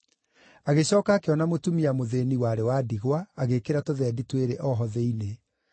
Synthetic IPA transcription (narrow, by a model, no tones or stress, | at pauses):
aɣeɕɔːkaːkeɔnamotumiamoðeːniwaɾewaːdiɣwaːɣekeɾatoðɛditweɾeʔɔɦɔðeine